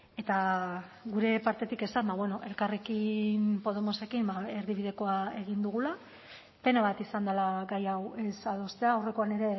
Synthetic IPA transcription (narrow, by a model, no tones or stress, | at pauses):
e̞t̪a | ɣuɾe̞paɾt̪e̞t̪ike̞sambaβwe̞no̞ʔe̞lkarekimpo̞ð̞e̞mo̞se̞kimbae̞ɾðiβiðe̞ko̞ae̞ɣind̪uɣ̞ula | pe̞naβat̪isand̪alaɡajawe̞sað̞o̞st̪e̞aːwre̞ko̞ane̞ɾe̞